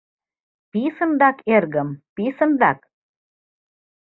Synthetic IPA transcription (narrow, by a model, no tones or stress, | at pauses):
pisɤ̆nd̪ɑkerɣə̆mpisɤ̆nd̪ɑk